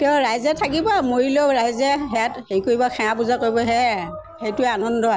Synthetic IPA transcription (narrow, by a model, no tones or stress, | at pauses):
teʊɹajzɛtʰakibɔmoɹiloɹajzɛɦɛjathejkoɹibɔxʰɛ̃apuzakojbɔɦɛ | hejtʊɛanɔndɔa